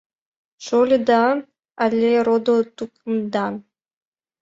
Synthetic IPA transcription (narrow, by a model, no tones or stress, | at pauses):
ʃolʲed̪ɑ | alʲːeɾod̪ot̪uknd̪ɑn